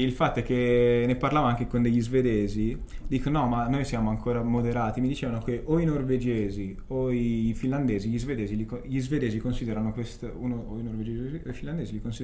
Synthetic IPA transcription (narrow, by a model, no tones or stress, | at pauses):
ilfat̪ːoɛkːenːeparlaːvaaŋk̟ekond̪eʎːizved̪eːzid̪iːkonɔmanːojsjaːmoaŋkʰoːɾamod̪eɾaːt̪imid̪it͡ʃeːvanokeʔoinorved͡ʒeːzi | oifinland̪eːziʎizved̪eːzilikoʎizved̪eːzikonsid̪eɾanokwest̪unooinorved͡ʒeːzoifinland̪eːzilikonsid̪